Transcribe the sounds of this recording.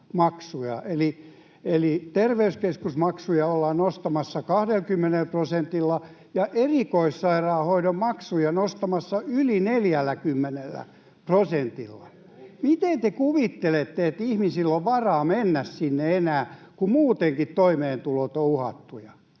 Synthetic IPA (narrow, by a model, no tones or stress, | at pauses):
mɑksujɑ̰ʔeli | elit̪erʋeyskeskusmɑksujɑolːɑnost̪ɑmɑsːɑkɑhdelkymːenelprosent̪ilːɑ | jɑʔerikoissɑirɑːhoiɾommɑksujɑnost̪ɑmɑsːɑylineljælːækymːenelːæ̰ | prosent̪ilːɑ̰ | mit̪ent̪ekuʋit̪ːelet̪ːeet̪ihmisilːoʋʋɑrɑːmenːæssinːeenæːkumuːt̪eŋkit̪toimeːnt̪ulot̪ouhɑ̰t̪ːujɑ